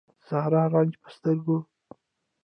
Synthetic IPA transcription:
z̥ɑhɾɑɾɑnd͡ʒpə̥st̪əɾɡo

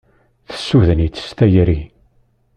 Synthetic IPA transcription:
θə̥sːuðənit͡s̪ːə̥st̪æjəɾi

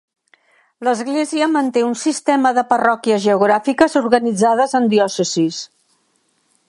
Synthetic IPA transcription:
ləzɣleziəmənt̪eunsist̪ɛməðəpərɔkiəzʒəuɣɾafikəzuɾɣənid͡zaðəzənd̪jɔsəzis

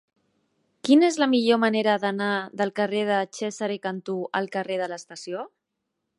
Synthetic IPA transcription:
kinezləmiʎoməneɾəðənaðəlˠkəreðət͡ʃɛzəɾekənt̪uə̰lˠkəreð̞ələst̪əsio

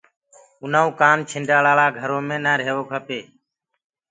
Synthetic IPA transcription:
ʊnaːũːkaːmt͡ʃʰɪɳɖaːlaːɭaːɡʱəɾõːmẽːnaːɾeːʋoːkʰəpeː

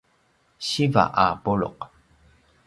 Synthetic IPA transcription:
ɕiva̰ʔapuɭʊ̰q

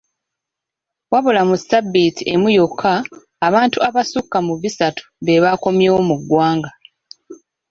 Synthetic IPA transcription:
waβolamusabːitiʔe̞mujokʰːaː | βaːntuaβasukːamuβisatʰu̥βe̞βako̞mjewomuɡːwaːŋɡa

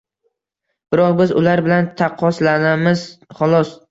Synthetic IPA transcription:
b̥ɪɾɒqbɪzʊ̰laɾbɪlant̪ʰɑqʰːɒslanamɪzχɒlˠɒs

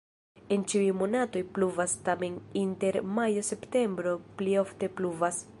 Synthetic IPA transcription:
e̞nt͡ʃiujmo̞nato̞jpluvastame̞ninte̞ɾmajo̞se̞pte̞mbɾo̞plio̞fte̞pluvas

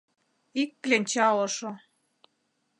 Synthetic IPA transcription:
ikːlent͡ɕɑlɤ̆ʃo

